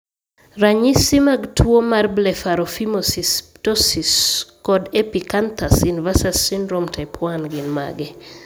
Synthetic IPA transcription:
raɲisimaɡtʰwomarblɛfaɾɔfimosistɔsiskɔdepikant̪asjunivasasindɾomtʰapʰwanɡɪnma̰ɡɛ

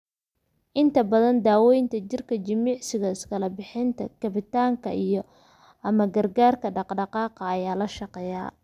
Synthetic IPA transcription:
ʔɪnt̪ʰɐbɐðɐnd̪aːwɛjnt̪ʰɐt͡ʃɪrkʰɐt͡ʃɐmiːʕsɪɣɐɪskʰɐlɐbɪħɪnt̪ʰɐ̰kɐβɪt̪ʰaːŋkʰɐ̰ʔijɞ | ʔɐmɐɡɐrɡaːrkʰɐɖɑqɖɑqɑːqɑːjaːlɐʃɑqɛːja̰ː

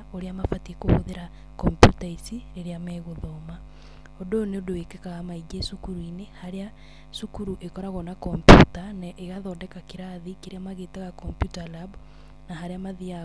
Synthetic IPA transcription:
oɾeamafatikohoðeɾa | kɔmpjutaisiɾeɾeamɛɣoðɔːma | odoneodowekekaɣamaid͡ʒesukuɾuinehaɾea | sukuɾuʔekɔɾaɣɔnakɔmpjutanaʔeɣaðɔːdɛkakeɾaðikeɾeamaɣeːtaɣakɔmpjutalabu | naɦaɾeamaðia

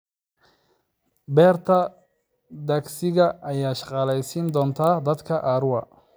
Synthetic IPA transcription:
bɛːrt̪ʰɐ | d̪aːɡsɪɣɐʔːjaːʃɑ̥qɑlɛjsiːnd̪ɔːnt̪ʰaːd̪ɐd̪kʰɐʔaːɾʊɐ

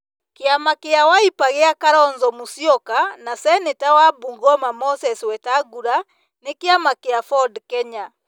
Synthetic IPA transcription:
keamakeawaipaɣeakaɾɔnzɔmusjɔkanasɛnetawabuŋɡɔmamɔsɛswɛtaɡuɾa | nekeamakeafɔdkɛɲa

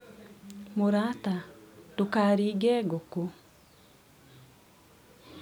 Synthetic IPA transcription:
moɾatatokaɾiːɡɛːɡoko

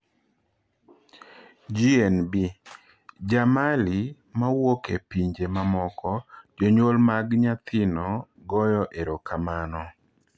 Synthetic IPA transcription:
d͡ʒienbi | d͡ʒamali | mawokepiɲd͡ʒemamɔkɔd͡ʒoɲwolmaɡɲat̪ʰɪnɔ | ɡɔjɔʔeɾokamanɔ

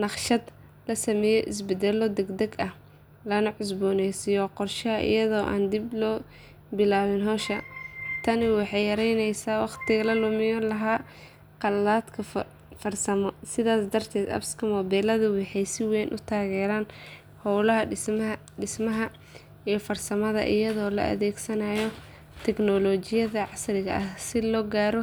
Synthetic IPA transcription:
nɑqʃɐd̪ | lɐsɐmɛːjɔʔɪsbɛd̪ɛlɔd̪ɛɡd̪ɛɡɐh | lɐnɐʕʊs̬bɔːnɛjsijɔqɔrʃɐɦɐʔɪ̰jɐðɔːʔa̰ːnd̪iblɔː | bɪlaːwɪnɦɔːʃɐt̪ʰɐnɪwɑħɑjjɐɾɛjnɛjsaːwɑqt̪ʰɪɣɐlɐlʊmɪjɔlɐɦaː | qɑlːaːd̪kʰɐ | fɐrsɐmɔsɪðaːsd̪ɐrt̪ʰɛːd̪ɐ̰bskʰɐmɔbɛːlɐðʊwɑħɑjsɪwɛːnʔʊt̪ʰaːɣɛːɾaːn | hɔwlɐɦɐ | ɖɪsmɐɦɐ | ijɔfɐrsɐmɐðɐ̰ʔɪjɐðɔːlɐ̰ʔɐ̰ðɛːɡsɐnaːjɔ | t̪ʰɛɡnɔlɔːt͡ʃɪjɐðɐʕɑsrɪɣɐ̰ʔɐhsɪlɔːɡaːɾɔ

